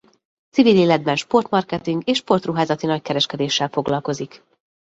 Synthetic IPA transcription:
t̪siviːleːlɛd̪̚bɛnʃpo̞rt̪mɒrkɛt̪iŋɡeːʃpo̞rt̪ruɦaːzɒt̪inɒckɛɾɛʃkɛd̪eːʃːɛlfo̞ɡlɒlko̞zik

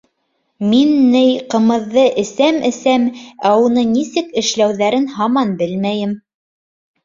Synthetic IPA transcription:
minːɘjqɤ̆mɤ̆ðːɤʔɘ̆sæmʔɘ̆sæmæunɤnisɘkɘ̆ʃlæwðæɾɘnhɑmɑnbɘlmæjɘm

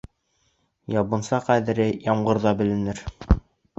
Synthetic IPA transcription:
jɑβɤ̆nsɑqæðɘ̆ɾɘjɑmɢɤ̆ɾðɑbɘ̆lɘ̆nɘɾ

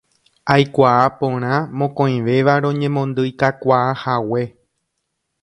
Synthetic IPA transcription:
ajkʷaːpõ̞ɾ̃ãmõkõj̃ʋe̞ʋaɾõ̞ɲẽmõ̞nd̪ɨjkakʷaahawe̞

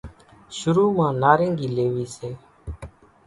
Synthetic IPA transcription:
ʃʊɾuːmãːnaːɾẽːŋɡiːleːʋiːseː

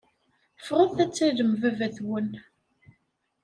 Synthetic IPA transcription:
fʁəðθæt͡sːæðəmvævæθwən

